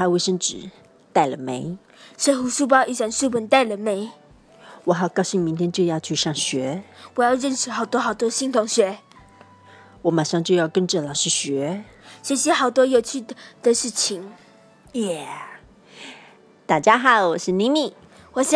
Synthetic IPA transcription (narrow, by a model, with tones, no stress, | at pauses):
a˥we˥˩ɪʂə˥ŋʈ͡ʂɻ̩˨˩ | t̪a˥˩ɪlə˩me˧˥ɪ | ʂe˥xu˧˥ʂu˥˧pɑ˥ʔi˥˩sa˥˩nʂu˥˩pə˧˥nt̪a˥˩ɪlə˨˩me˧˥˦ɪ | wɔ˨˥xɑ˨˩ʊkɑ˥ʊɕi˥˩ŋmi˧˥nt̪ʰjɛ˥nt͡ɕjɤ˥˧jɑ˥˧ʊt͡ɕʰy˥˧ʂɑ˥˩ŋɕɥɛ˧˥wɔ˨˩jɑ˥˧ʊɻə˥˧nʂɻ̩˧˥xɑ˨˩ʊt̪wɔ˥xɑ˨˩ʊt̪wɔ˥ɕi˥ŋt̪ʰʊ˧˥ŋɕɥɛ˧˥ | wɔ˧˥ma˨˩ʂɑ˥˧ŋt͡ɕjo˥˧ʊjɑ˥˩ʊkə˥nʈ͡ʂɤ˥˩lɑ˨˩ʊʂɻ̩˥˩ɕɥɛ˧˥ɕɥɛ˧˥ɕjɛ˥xɑ˨˩ʊt̪wɔ˥jo˨˩ʊt͡ɕʰy˥˩d̪̥ə˨ʂɻ̩˥˩t͡ɕʰi˧˥ŋ | jɛ˥˩ | t̪a˥˩t͡ɕja˥xɑ˨˩˦ʊwɔ˨˩ʂɻ̩˥˩ni˧˥mi˨˩ | wɔ˨˩ɕ